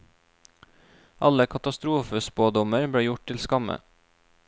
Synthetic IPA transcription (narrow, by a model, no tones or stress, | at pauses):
ʔɑləkʰɑt̪ɑst̪ɾuːfəspoːd̪ɔməɾbɽeːjʊʈ̚t̪ɪlskɑmə̰